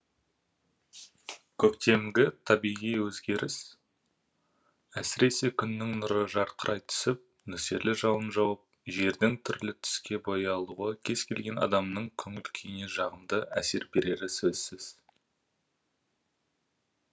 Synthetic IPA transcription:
kʲʰɵkt̪e̞mɡʲɪt̪ʰɑbijʁijwɵzɡʲe̞ɾʔɪs | æsɪɾe̞se̞kʲʰʏnːɪŋnʊɾəʒɑɾqʰəɾʔɑjt̪ʰʏ̥sɪp̚ | nɵse̞ɾlɪʒɑlˠənʒɑwɑp̚ʒe̞ɾd̪ɪŋt̪ʰʏɾlɪt̪ʰʏ̥skʲe̞bojɑlˠuʁɑkʲʰe̞z̥kʲʰe̞lɡʲe̞nɑ̰d̪ɑmnəɴkʲʰɵŋɪlkʲʰejneʒɑʁənd̪əʔæ̰se̞ɾbe̞ɾe̞ɾɪsɵz̥sɪz̥

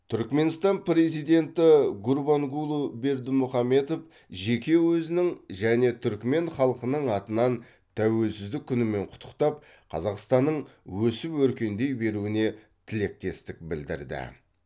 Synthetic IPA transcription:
t̪ʰʏɾkme̞nst̪ɑnpre̞zijd̪e̞nt̪ɪɡʊɾbaŋɡulˠube̞ɾd̪ɪmʊχɑme̞t̪o̞f | ʒe̞kʲe̞wɵzɪnɪŋʒæne̞t̪ʰʏɾkme̞ɴχɑlˠəqənəɴɑt̪ənɑn | t̪ʰæwe̞lsɪzd̪ɪkʲʰːʏnɪme̞ɴqʰʊ̥t̪ʰːə̥qt̪ɑp̚ | qʰɑ̰zɑqst̪ɑnːəɴwɵsɪpwɵɾkʲe̞nd̪e̞jbe̞ɾuɪne̞ | t̪ʰɪle̞k̚t̪e̞st̪ɪk̚bɪld̪ɪ̰ɾd̪ɪ̰

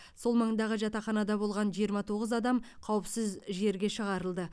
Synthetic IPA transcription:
so̞lˠmɑɴd̪ɑʁəʒɑt̪ɑχɑnɑd̪ɑbo̞lˠʁɑnʒijəɾmɑt̪ʰoʁəzɑd̪ɑmqʰɑwəpsɪzʒe̞ɾɡʲe̞ʃəʁɑɾəlˠd̪ə

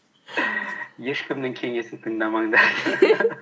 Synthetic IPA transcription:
je̞ʃkʲʰɪmnɪŋkʲʰe̞ŋe̞sɪnt̪ʰəɴd̪ɑmɑɴd̪ɑ

